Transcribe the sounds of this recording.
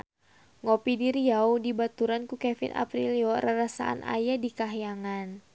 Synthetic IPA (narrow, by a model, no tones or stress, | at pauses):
ŋɔpidiɾiaudibat̪uɾankukɛfḭnʔa̰pɾiliɔɾaɾasa̰ʔa̰nʔa̰jadikaɦijaŋan